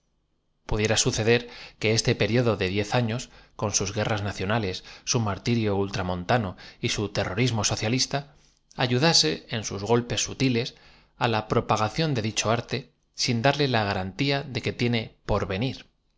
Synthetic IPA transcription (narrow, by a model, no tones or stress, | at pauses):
puðje̞ɾasuθe̞ð̞e̞ɾke̞est̪e̞pe̞ɾjo̞ðo̞ðe̞ðje̞θaɲo̞sko̞nsuzɣe̞raznaθjo̞nale̞sːumaɾt̪iɾjo̞ult̪ɾamõ̞nt̪ano̞isut̪e̞ro̞ɾizmo̞so̞θjalist̪a | aʝuðase̞ensuzɣo̞lpe̞sːut̪ile̞s | alapɾo̞paɣ̞aθjo̞nd̪e̞ðit͡ʃo̞aɾt̪e̞ | sind̪aɾle̞laɣ̞aɾant̪iaðe̞ke̞t̪je̞ne̞po̞ɾβe̞niɾ